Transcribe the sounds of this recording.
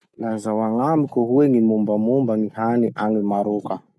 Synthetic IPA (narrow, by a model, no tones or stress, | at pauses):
lazawaŋamikʲoɦueŋimumbamumbanihaniʔanimaɾoka